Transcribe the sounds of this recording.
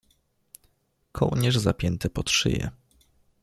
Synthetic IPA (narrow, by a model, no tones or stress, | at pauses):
kʰɔuɲɛʐzapʲjɛnt̪ɛpɔt̪ʂɘ̰jɛ̰